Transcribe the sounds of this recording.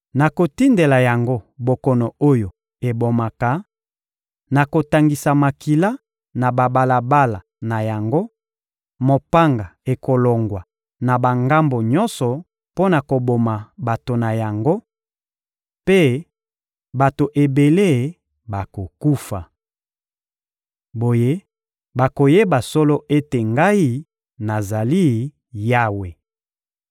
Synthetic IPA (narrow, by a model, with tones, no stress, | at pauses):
na˨ko˨ti˦nde˨la˨ja˨ŋɡo˦bo˨kɔ˨nɔ˨o˦jo˨ | e˨bo˨ma˨ka˨ | na˨ko˨ta˨ŋɡi˨sa˨ma˨ki˨la˦ | na˨ba˨ba˨la˨ba˦la˨ | na˨ja˨ŋɡo˦ | mo˨pa˦ŋɡa˨e˨ko˨lɔ˨ŋɡwa˨ | na˨ba˨ŋɡa˦mbo˨ɲɔ˦nsɔ˨ | po˦na˨ko˨bo˨ma˨ba˨to˨na˨ja˨ŋɡo˦ | pe˦ | ba˨to˨ʔe˨be˨le˦˨ | ba˨ko˨ku˦fa˨ | bo˨je˦ | ba˨ko˨je˦ba˨sɔ˦lo˦ʔe˦te˨ŋɡa˦i˦ | na˨za˨li˦ | ja˦we˨